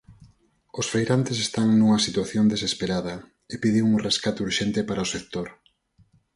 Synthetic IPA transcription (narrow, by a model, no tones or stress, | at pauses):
ʊsfejɾant̪ɪsest̪aŋnuŋɐsit̪waθjond̪esespeɾaðɐ | epiðɪŋuŋreskat̪uɾʃent̪ɪpaɾɐosek̚t̪oɾ